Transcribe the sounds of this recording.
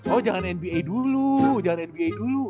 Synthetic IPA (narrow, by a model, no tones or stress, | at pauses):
ɔd͡ʒaŋanɛnbiajdulud͡ʒaŋanɛnbiajdulu